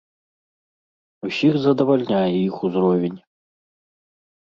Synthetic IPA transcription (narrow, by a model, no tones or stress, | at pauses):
usʲixzɐd̪ɐvalʲnʲajɛixuzrɔvʲenʲ